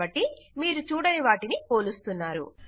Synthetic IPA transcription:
ɐʈːimiːɾut͡ʃuːɽɐniʋaːʈinipo̞ːlust̪unːaːɾṵ

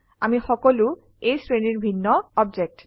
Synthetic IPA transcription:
amixɔkɔlu | ejsɹeniɹbʱinːɔɔbd͡ʒek̚t

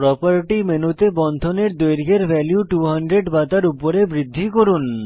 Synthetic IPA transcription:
pɾɔpaɾʈimenut̪ebɔnd̪ʱoneɾd̪ojɾiɡʱeɾbɛljuʈuɦɔnɖɾeɖbat̪aɾupoɾebɾid̪ʱːikoɾun

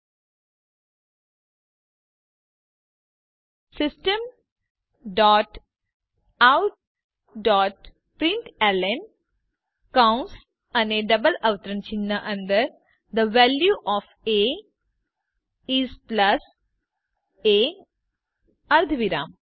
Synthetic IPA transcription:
sɪsʈə̃m | ɖɔːʈ | awʈ̚ | ɖɔːʈ̚ | pɾiɳʈelen | kãwnʈs | ɐ̃neːɖɐbəlɐʋt̪ɾɐnt͡ʃinːɐʔɐ̃nd̪əɾ | d̪əʋæljuʔɔːf | eː | iːsplɐs | eː | ɐɾd̪ʱʋiɾã̰ːm

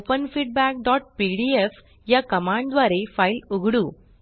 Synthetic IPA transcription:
opɐnfiːʈ̚baːk̚ɖɔːʈ̚piːɖief | jɐkɐmaːɳɖʋaːɾeɪfɐɪluɣɯɽu

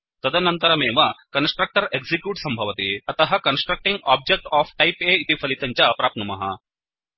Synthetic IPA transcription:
t̪ɐd̪ɐnɐnt̪ɐɾɐmeːʋɐkɐnsʈɾɐk̚ʈɐɾeɡzikjuːʈsɐmbʱɐʋɐt̪eɐt̪ɐɦɐkɐnsʈɾɐk̚ʈiŋɡaːb̚d͡ʒek̚ʈaːfʰʈɐjpeːit̪ipʰɐlit̪ɐɲt͡ʃɐpɾaːp̚nɐmɐɦɐ̰

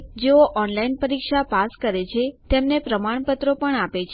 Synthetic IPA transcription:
d͡ʒeoʔɔnlainpəɾikʃapaskəɾet͡ʃʰet̪emnepɾəmaɳ̃pət̪ɾopəɳapet͡ʃʰ

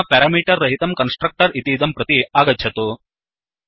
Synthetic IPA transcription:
ɐpaːɾaːmiːʈɐɾːɐɦit̪ɐmkɐnsʈɾɐk̚ʈɐɾit̪iːd̪ɐmpɾɐt̪iaːɡɐd͡ʒd͡ʒjɐt̪u

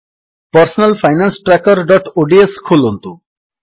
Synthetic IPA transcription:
pʌɾsɔnalpʰajnansʈɾakɔɾɖɔʈoɖieskʰolont̪u

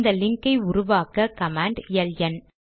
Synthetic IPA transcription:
d̪ɐlɪŋkɐɪʊɾʊʋaːkɐkɐmaːɳɖɪjɐljɐn

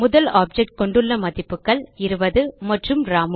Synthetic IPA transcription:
mʊðɐlaːp̚d͡ʒɛk̚ʈ̚kɔɳɖɯɭːɐmɐðɪpːɯkːɐɭɪɾɯbɐðɯmɐʈrɯmɾaːm

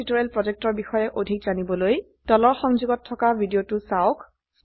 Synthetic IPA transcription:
itoɹɛlpɹɔzek̚tɔɹbixɔjɛʔodʱik̚zanibɔloj | d̥ɔlɔɹxɔŋzuɡɔtʰːɔkabʱidiotʊsaʊk | s

